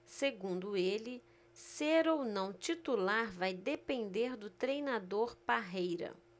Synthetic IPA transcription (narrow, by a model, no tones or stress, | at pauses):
seɡũnd̪ʊelɪ | seɾownɐ̃w̃t͡ʃit̪ulaɾvajd̪epẽnd̪eɾd̪ʊt̪ɾejnad̪oɾpaɦejɾɐ̰